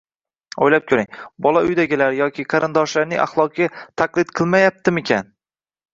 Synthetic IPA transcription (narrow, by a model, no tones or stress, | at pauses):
o̰jlap̚kʲʰɵɾɪŋbɒlˠaʊjd̪aɡʲɪlaɾjɒkʲɪqʰɑɾɪnd̪ɒʃlaɾnɪŋʔa̰χlˠɒq̚ɡʲat̪ʰaqlˠɪd̪qʰɨlˠmajap̚t̪ɪmekʲʰan